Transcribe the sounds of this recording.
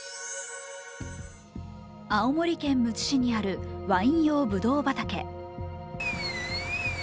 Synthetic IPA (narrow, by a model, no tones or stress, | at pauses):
aomo̞ɾʲikẽ̞mːɯ̟t͡ɕi̥ɕiɲ̟iaɾɯ̟βaĩɰ̃jo̞ːbɯ̟d̪o̞ːbat̪ake̞̰